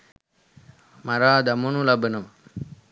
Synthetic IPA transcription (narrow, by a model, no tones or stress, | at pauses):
mɐɾaːd̪ɐmunulɐbɯnɐm